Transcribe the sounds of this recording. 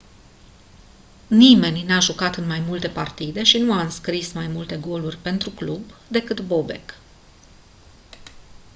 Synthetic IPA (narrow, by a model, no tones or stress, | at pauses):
nime̞nʲnaʒukat̪ɨnmajmult̪e̞part̪id̪e̞ʃinuaɨnskɾismajmult̪e̞ɡo̞lurʲpe̞nt̪ɾuklubd̪e̞kɨt̪bo̞be̞̰k